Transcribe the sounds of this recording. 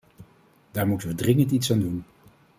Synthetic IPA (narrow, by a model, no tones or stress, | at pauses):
d̥aːɹmutənʋədrɪŋəntitsaːndun